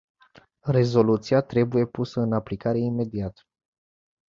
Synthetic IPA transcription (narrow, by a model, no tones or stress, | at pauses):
re̞zo̞lut̪siat̪ɾe̞buje̞pusəɨnaplikaɾe̞ime̞d̪iat̪